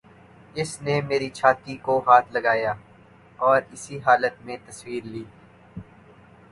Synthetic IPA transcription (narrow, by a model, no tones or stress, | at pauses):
ɪsnemeːɾit͡ʃʰaːt̪ikoɦaːt̪ʰlɐɡaːjaː | ɔːɾɪsiɦaːlət̪mẽt̪ɐswiːɾliː